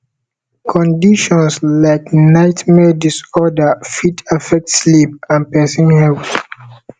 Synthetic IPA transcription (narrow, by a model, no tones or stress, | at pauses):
kʰɔ̃ndiʃɔ̃nslaɪknaɪtmɛdisɔdəfitafɛk̚tslipãnpɛsĩnhɛlθ